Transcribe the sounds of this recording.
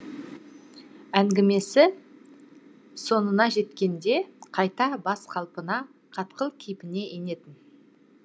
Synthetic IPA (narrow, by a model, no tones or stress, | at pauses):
æŋɡʲɪme̞sɪ | so̞nənɑʒe̞t̪kʲe̞nd̪e̞qʰɑjt̪ɑbɑsqʰɑlˠpənɑ | qʰɑt̪qəlˠkʲʰejpɪne̞ʔene̞t̪ɪn